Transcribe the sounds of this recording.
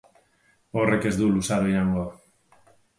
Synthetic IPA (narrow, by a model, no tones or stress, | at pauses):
orekezðulusaðiaŋɡo